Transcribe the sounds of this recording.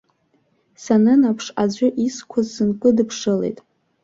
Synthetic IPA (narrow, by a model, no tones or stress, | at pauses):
sanɨnapʰʂad͡ʑʷʊʔiskʷʰʊzsɨnkʼɨdɨpʰʂɨlḛjtʼ